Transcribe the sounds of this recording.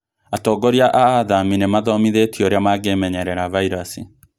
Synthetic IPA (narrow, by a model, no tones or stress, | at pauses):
atɔːɡɔɾiaʔaaðaminemaðɔmiðetioɾeamaɣemɛɲɛɾɛɾavaiɾasi